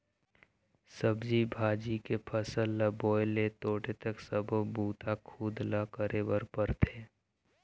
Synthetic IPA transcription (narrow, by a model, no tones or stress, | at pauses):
səbd͡ʒibʱaːd͡ʒikepʰəsəlːabɔːjlet̪oːʈet̪əksəbʱəbuːt̪ʰakʰuːd̪lakəɾʔewəɾpəɾt̪ʰeː